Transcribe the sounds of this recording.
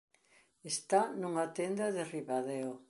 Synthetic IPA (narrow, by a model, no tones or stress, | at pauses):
est̪anuŋat̪end̪ɐðeriβaðeo